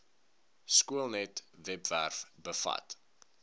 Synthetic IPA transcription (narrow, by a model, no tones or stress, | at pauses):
skuəlˠnɛtvɛpværfbəfɐ̰t